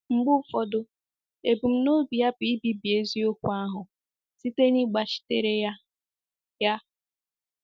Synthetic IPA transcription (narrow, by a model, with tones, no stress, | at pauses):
ŋ͡m̩˨ɡ͡bʊ˦fɔ˨dʊ˦ | e˨bu˨m̩˦no˦bi˨ja˦pi˨i˦bi˨˦bi˨e˦zi˦o˦kʷu˦a˦ɦʊ˨ | si˦te˦ni˦ɡ͡ba˨ʃi̥˨tḛ˦˨ɾe˦ja˦ | ja˦